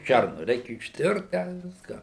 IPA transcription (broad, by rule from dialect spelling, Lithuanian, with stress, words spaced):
ˈʃʲærnʊ ˈrʲɛɪkʲɛ ɪʃʲˈtʲɪrt tʲɛn ˈʋʲɪskɑː